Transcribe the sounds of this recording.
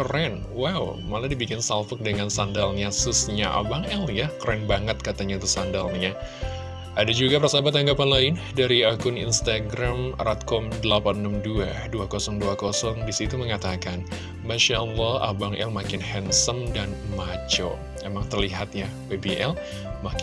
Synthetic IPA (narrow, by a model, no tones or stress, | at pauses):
krɛn | waw | maladibikɪnsalfək̚dəŋansandalɲasʊsɲaʔa̰baŋɛljakəɾɛnbaŋət̪̚kat̪aɲait̪usandalɲa | ʔadad͡ʒuɡapərsabat̪aŋɡapanlaɪn | daɾiakʊnḭnst̪aɡɾamrat̪̚kɔmdəlapanːəmdua | duakosɔŋduakɔsɔŋdisit̪uməŋat̪akan | maʃaʔɔlːɔha̰baŋʔɛ̰lmakɪnhɛnsəmdanmat͡ʃo̰ | emaŋt̪ərliɦat̪̚ja | webiʔɛl | mak